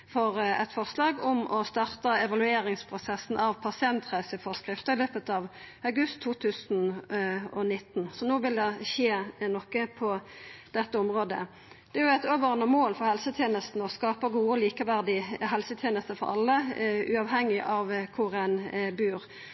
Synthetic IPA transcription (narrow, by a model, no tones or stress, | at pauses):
fɔʁɛ̰t̪fɔʁslɑːɡɔmɔst̪ɑʁt̪ɑɛʋɑlʉeːɾɪŋspʰʁʊsɛsːn̩ʔɑʋpʰɑsɪɛnt̪ʁæɪsəfɔʁskʁɪft̪əɪløːpət̪ɑʋɑɡʉst̪ʰːuːt̪ʰʉːsn | ɔnɪt̪ːn̩sɔnoːʋɪld̪ɛʃeːnɔkːəpʰɔd̪̥ɛt̪ːəɔmʁoːd̪ə̰ | d̪̥ɛæjʊɛɪt̪øːʋəʁnəmoːlfɔʁhɛlsət̪ʰjeːnəst̪n̩ɔskɑːpəɡuːəɔliːkəʋæʁd̪ɪɦɛlsət̪ʰjeːnəst̪əfɔ̰ɾɑ̰lːəʉːɑʋɦɛŋːɪʔɑʋkʰʊʁɛnbyːɾ